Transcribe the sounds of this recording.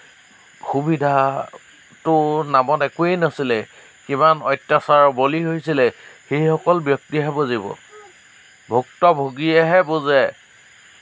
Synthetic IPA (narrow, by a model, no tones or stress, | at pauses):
xubidʱa | tʊnamɔtɛkuejnasilɛ | kimanɔjtːasaɹɔboliɦojsilɛxejxɔkɔlbjɔk̚tiɦɛbozibɔ̰ | bʱuktɔbʱoɡiɛɦɛbozɛ